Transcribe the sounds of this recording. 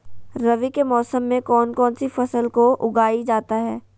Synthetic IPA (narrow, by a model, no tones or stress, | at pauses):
ɾɐʋikemɔːsəmːẽkɔːnkɔːnsifɐsəlkoʔʊɡaːid͡ʒaːt̪aɦɛː